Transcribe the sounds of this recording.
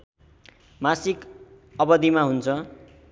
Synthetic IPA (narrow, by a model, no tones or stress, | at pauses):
masik | ʌbʌd̪imaɦunt͡sʰʌ